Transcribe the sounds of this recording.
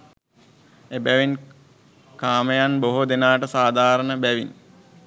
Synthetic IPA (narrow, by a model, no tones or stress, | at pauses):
ebæʋin | kaːməjanboɦod̪enaːʈəsaːd̪ʱaːɾənəbæʋin